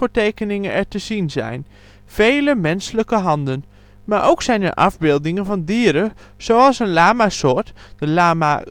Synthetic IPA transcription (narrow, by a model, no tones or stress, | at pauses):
əːɹtejkənɪŋənɛɹtəz̥inzɛ̰jn | v̥ejləmɛnsələkəɦɑndən | maːɹʔowksɛjnɛ̰ɹʔɑ̰vbɪːlˠdɪŋənvɑndiːəɾə | z̥owɑlˠsənlaːmasʊːɹtdəlaːma